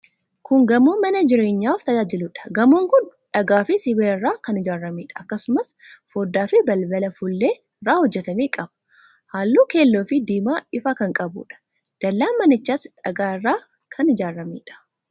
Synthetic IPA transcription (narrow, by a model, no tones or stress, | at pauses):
kʊŋɡɐmuːmɐnɐd͡ʒɪɾe̞ːɲːaːft̪ɐd͡ʒaːd͡ʒɪlʊᶑɐ̥ɡɐmuːŋkʊnᶑɐɡaːfɪsɪweːɪrːaːkɐnɪd͡ʒaːɾɐmeːᶑɐ̥ɐkːɐsʊmɐsfoːd̪ːaːfɪbɐlbɐlɐfʊlːeː | ɪrːaːhɔd͡ʒːɛt̪ɐmeːkʼɐbɐ̥ | haːlːuːke̞ːlːo̞ːfɪd̪iːmaːɪfɐkɐŋkʼɐbṵːᶑɐ̥ | d̪̥ɐlːaːmɐnɪt͡ʃːaːsᶑɐɡaːɪrːaː | kʰɐnɪd͡ʒaːɾɐmeːᶑɐ̥